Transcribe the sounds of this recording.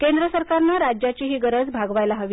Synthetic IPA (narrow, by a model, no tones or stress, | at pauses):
kend̪ɾəsəɾkaɾnaɾad͡ʑjat͡ɕiɦiːɡəɾəd͡zbʱaɡʋajlaɦəʋi